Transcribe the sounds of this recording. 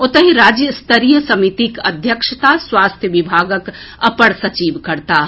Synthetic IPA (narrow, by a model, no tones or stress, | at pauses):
ot̪əɦiɾaːd͡ʒjəst̪əɾijəsɐmit̪ikə̰d̪ʱjəkʃət̪aswaːst̪ʰjəʋibʱaːɡəkɐpəɽsɐt͡ʃiːʋkɐɾt̪a